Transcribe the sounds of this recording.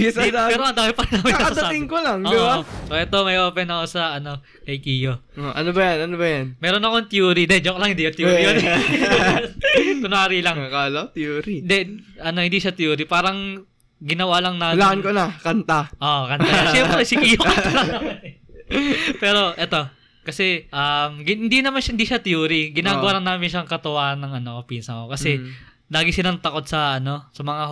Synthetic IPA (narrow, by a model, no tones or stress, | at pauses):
spɛːɾoʔɐnd̪aːhɪpɐɾɐnaːmɪɐɐsɐd̪ɐat̪ɪŋkolaŋoɪasoʔɛt̪o̞mɐjʔo̞ːpɛnɐko̞sɐʔɐno̞ | kɐjkiːjoʔoʔɐnobɐjanɐnobɐjanmɛːɾonɐkoŋt̪juːɾid̪ɛd͡ʒoklɐŋhɪnd̪ijot̪juːɾijon | t̪ʊnaːɾilɐŋkalot̪juːɾind̪ɛʔɐno̞hɪnd̪iːʃɐt̪juːɾipaːɾɐŋ | ɡɪnɐwalɐŋnaːlaɐnkonɐkɐnt̪aʔokɐnaʃɛmpɾsɪkiːjolɐŋɐn | pɛːɾo̞ʔɛt̪o̞ | kɐsɛʔɐmɡɪhɪnd̪inɐmanʃɐhɪnd̪iʃɐt̪juːɾɪɡɪnaːɡʊwaːɾɐnːaːmɪnʃaŋkɐt̪ʊwaːɐnːɐŋʔɐnokɐpinsɐŋokɐsɛ | laːɡɪsɪnant̪ɐko̞d̪̚sɐʔɐno̞sɐmɐŋa